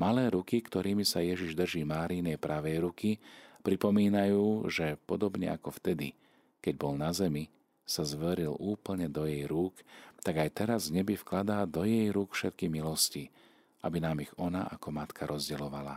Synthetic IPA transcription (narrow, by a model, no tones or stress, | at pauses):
malɛːɾukikt̪ɔɾiːmisajɛʒiʒd̪r̩ʒiːmaːɾiːnɛjpɾaʋɛjɾukipɾipɔmiːnajuːʒɛpɔd̪ɔbɲɛ̰akɔft̪ɛd̪ḭ | kɛɟbɔlnazɛmi | sazʋɛɾilʔuːpl̩ɲɛd̪ɔjɛjɾuːkt̪aɡajt̪ɛɾazɲɛbifklad̪aːd̪ɔjɛjɾuːkfʃɛt̪̚kimilɔsci | ʔabinaːmiɣɔnaʔakɔmat̪kʰaɾʔɔzɟɛlɔʋala̰